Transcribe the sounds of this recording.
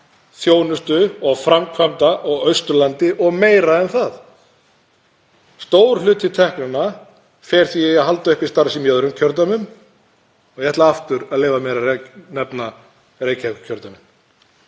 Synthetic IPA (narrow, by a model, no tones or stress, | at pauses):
θjoːwnʏst̪ʏɔɣfɾamkʰvamt̪aʔɔɣœɥst̪ʏɾlant̪ɪʔɔɣmeːjɾaɛnθað | st̪oːwɾ̥lʏːt̪ʰɪt̪ʰɛhknʏnːa | fɛːɾ̥θijɛɣaɦalt̪aʏhpi̥st̪aɾsɪmjœðɾʏmcʰœɾt̪̬amʏm | ɔɣjɛht̪laaft̪ʏɾaðleːvamɛɾarɛnɛpna | rejcʰakcʰœɾt̪amʏn